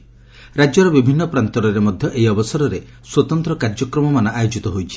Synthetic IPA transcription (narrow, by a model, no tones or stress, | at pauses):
ɾad͡ʒjɔɾɔbibʱinːɔpɾant̪ɔɾɔɾemɔd̪ʱjɔʔejɔbɔsɔɾɔɾe | swɔt̪ɔnt̪ɾɔkaɾd͡ʒɔkɾɔmɔmanɔʔajod͡ʒit̪ɔɦojt͡ʃʰi̥